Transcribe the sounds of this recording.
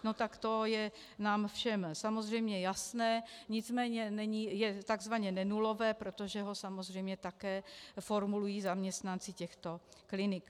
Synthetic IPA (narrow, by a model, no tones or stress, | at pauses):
no̞t̪akt̪o̞jɛ | naːmfʃɛmsamozr̝ɛjmɲɛjasnɛːɲɪt͡smɛːɲɛnɛɲijɛt̪aɡzvaɲɛnɛnulo̞vɛːpɾo̞t̪o̞ʒɛɦo̞samo̞zr̝ɛjmɲɛt̪akɛːfo̞ɾmulujiːzamɲɛst̪nant͡sɪcɛxt̪o̞klɪnɪk